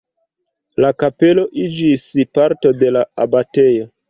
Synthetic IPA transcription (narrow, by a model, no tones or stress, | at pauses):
lakape̞lo̞ʔid͡ʒispaɾto̞de̞laabate̞jo̞